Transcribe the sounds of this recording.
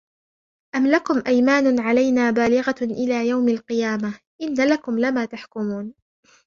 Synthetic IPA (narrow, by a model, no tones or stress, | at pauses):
ʔamlakʊmʔajmaːnʕalajnaːbaːlɪɣaʔɪlaːjawmalqɨjaːma | ʔɪnːalakʊmlɪmaːt̪aħkʊmuːn